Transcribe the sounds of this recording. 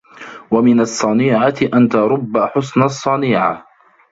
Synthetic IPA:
wamɪnɑsˤːɑniːʕat̪ɪʔant̪aɾˤʊbːaħʊsnasˤːɑniːʕa̰

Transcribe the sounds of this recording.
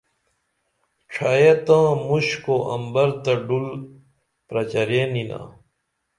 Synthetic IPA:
ʈ͡ʂʰajet̪ãːmuɕkoʔɐ̰mbɐɾt̪ɐɖul | pɾɐt͡ɕɐɾenina̰ː

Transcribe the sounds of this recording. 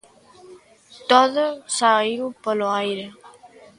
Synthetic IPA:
t̪oðosaiwpəloajɾe

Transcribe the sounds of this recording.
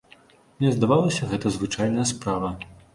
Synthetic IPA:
mnʲɛzd̪avalˠɐsʲɐɣɛt̪ɐzvɨt͡ʂajnɐjɐspɾavɐ

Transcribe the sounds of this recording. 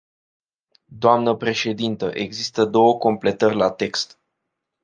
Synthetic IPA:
d̪oamnəpɾe̞ʃe̞d̪int̪əʔe̞ɡzist̪əd̪o̞wəko̞mple̞t̪ərʲlat̪e̞kst̪

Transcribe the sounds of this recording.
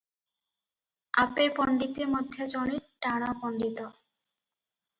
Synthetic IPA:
apepɔɳɖit̪emɔd̪ʱjed͡ʑɔɽ̃iʈaɽ̃apɔɳɖit̪ɔ

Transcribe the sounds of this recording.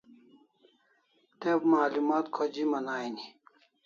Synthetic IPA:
t̪ebmaːlumaːt̪kʰod͡ʑimɐnaːjni

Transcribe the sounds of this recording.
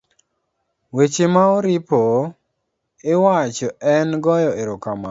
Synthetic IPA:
wet͡ʃemaɔɾɪpo | ɪwat͡ʃɔɛnɡɔjɔɪɾʊkama̰

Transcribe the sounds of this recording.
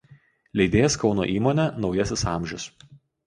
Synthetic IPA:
lʲɛɪd̪ʲeːjɛskɒʊno̰ːʔiːmoːnʲɛnɒʊjɛsʲɪsɑˑmʲʒʲʊs

